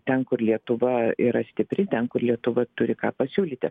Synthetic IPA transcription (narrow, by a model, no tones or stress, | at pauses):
t̪ʲɛnkʊrlʲiɛt̪ʊʋɐiɾɐsʲt̪ʲɪpʲɾʲɪt̪ʲɛnkʊrlʲiɛt̪ʊʋɐt̪ʊɾʲɪkɑːpɐsʲuːlʲiːt̪ʲɪ